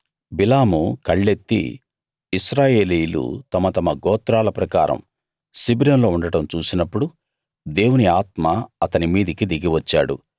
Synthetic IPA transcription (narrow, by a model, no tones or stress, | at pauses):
bilaːmukɐɭːe̞t̪ːḭː | sɾaːje̞ːlijlṵt̪ɐmɐt̪ɐmɐɡɔːt̪ɾaːlɐpɾɐkaːɾɐ̰m | sibɾɐnlo̞ːuɳɖɐʈɐmt͡ʃuːsinɐpːuɽu | d̪e̞ːwuniaːt̪maɐt̪ɐnimiːd̪ikid̪iɡiʋɐt͡ʃːa̰ːɽṵ